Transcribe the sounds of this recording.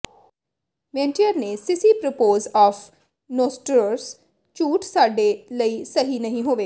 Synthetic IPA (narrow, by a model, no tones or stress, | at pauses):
mẽːnʈiəɾnesɪsipɾopoːzɔːf | noːsʈɾɾs | t͡ʃuːʈʰsaːɖelɐisɐɦinɐɦĩɦoːʋeː